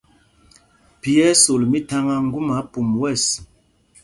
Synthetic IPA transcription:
pi˨ɛ˦so˨lmi˦ta˦ŋa˦ŋ̩˦ɡu˦ma˨˦pu˨mwɛ˦˨s

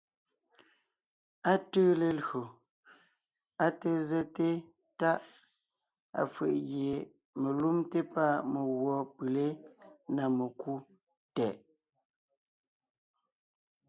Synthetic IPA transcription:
a˦təː˦le˨lɰo˨ | a˦te˦ze˦te˦ | ta˦ʔ | a̰˨fə̰˨ʔɣje˨ | me˨lu˦mte˦pa˦˨me˨ɣwɔ˨˦pɯ˨le˦na˨me˨ku˦ | tɛ˨ʔ

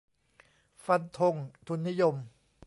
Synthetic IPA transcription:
fa˧nt̪ʰo˧ŋt̪ʰu˧nːi˦˥jo˧m

